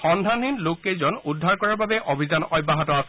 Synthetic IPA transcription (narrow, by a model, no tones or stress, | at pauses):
xɔndʱaninlokːejzɔnudʱːaɹkɔɹaɹbabɛʔobʱizanɔjbːaɦatɔas